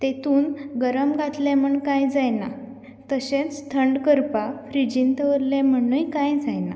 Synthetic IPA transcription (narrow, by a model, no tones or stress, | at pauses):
t̪et̪uːnɡəɾəmɡat̪lẽm̤əɳkajd͡zajna | t̪əɕẽt͡sst̪ʰəɳɖkəɾpafɾid͡ʑint̪əʋəɾlɛ̃m̤əɳujkãjd͡zajna̰